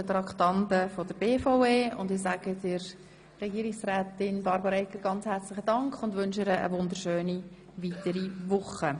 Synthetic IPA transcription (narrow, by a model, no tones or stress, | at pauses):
ət̪ɾɑktɑntəfod̥əb̥eːfoʊeːʊ̰ndɪsæːɡ̥ədɪɾ | rɛɡiːɾɪksrɛːtɪnbɑɾbɑɾɛkəɡɑnt͡shɛɾt͡slɪχədɑŋkχʊndʋʏnʃɪɾəə̰ʋʊnd̪əɾʃøːni | ʋitəɾiʋʊχə